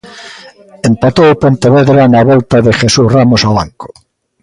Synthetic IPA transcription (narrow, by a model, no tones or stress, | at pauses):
empat̪oopont̪eβeðɾanaβɔlt̪aðexesusramosawaŋko̥